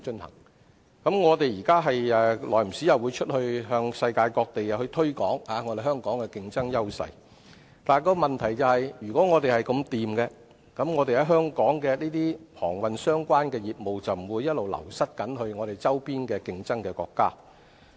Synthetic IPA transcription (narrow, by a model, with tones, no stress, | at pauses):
t͡ʃɵ˥nhɐ̰˨˩ŋ | kɐ˨˥mŋɔː˨˧t̪e˨jjiː˨˩kaː˥ɦɐ˨jɛː˨lɔː˨jm̩˨˩siː˨˥jɐ˨˩wuː˨˧t͡ʃʰɵ˥t̚hɵ˧ɥɦœː˧ŋsɐ˧jkaː˧jkɔː˧k̚t̪e˨jɐ˨whɵ˧ɥt̪ʰɵ˥ɥkɔ̰ː˨˥ŋhaː˨˧ŋɔː˨˧t̪e˨jɦœː˥ŋkɔː˨˥ŋkɛː˧kɪ˧ŋt͡sɐ˥ŋjɐ˥wsɐ̰˧j | t̪aː˨nkɔː˧mɐ˨nt̪ʰɐ˨˩jt͡sɐ˨whɐ˨jɥyː˨˩kɔ˨˥ŋɔː˨˧t̪e˨jhɐ˨jkɐ˧mt̪iː˨mkɛː˧ | kɐ˨˥mŋɔː˨˧t̪e˨jhɐ˨˥wɦœː˥ŋkɔː˨˥ŋkɛː˧liː˥t̪iː˥pʰɔ̰ː˨˩ŋwɐ˨nsœː˥ŋkʷaː˥nkɛː˧jiː˨t̚mo˨wt͡sɐ˨wm˨˩wuː˨˧jɐ˥t̚lo˨wlɐ̰˨˩wsɐ˥t̚kɐ˨˥nhɵ˧ɥŋɔː˨˧t̪e˨jt͡sɐ˥wpiː˥nkɛː˧kɪ˧ŋt͡sɐ˥ŋkɛː˧kɔ̰ː˧kːaː˥